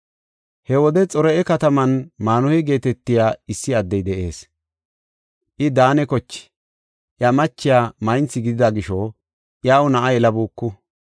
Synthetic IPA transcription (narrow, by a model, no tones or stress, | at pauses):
hɛwɔd̪ɛt͡sʼɔɾɛɛkɐt̪ɐmɐnmaːnʊhɪɡe̞ːt̪ɛt̪ːɪjaːɪsːɪɐd̪ːɛjd̪ɛʔe̞̰ːs | ʔɪd̪aːnɛkɔt͡ʃːɪ̥ | ʔjamɐt͡ʃːɪjaːmɐjnt͡sːɪɡɪd̪ɪd̪aɡɪʃɔ | ʔjaːwʊnɐʔajɛlɐbuːkːʊ